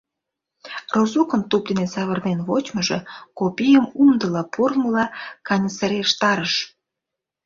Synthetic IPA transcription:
rozukənt̪up̚d̪inesɑβərnenβot͡ɕməʒḛkopʲijəmumd̪əlɑpurməlɑkɑnʲəsəɾeʃt̪ɑɾəʃ

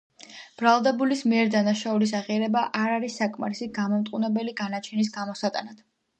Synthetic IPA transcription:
b̥ɾalˠd̪ɛbulismiɛɾd̪anaʃaulis̬aʁiaɾɛbaʔaɾaɾisːakʼma̰ɾisiɡamɔmt̪ʼqʼunɛbɛliɡanat͡ʃʰɛnis̬ɡamɔsat̪ʼa̰nad̪̥

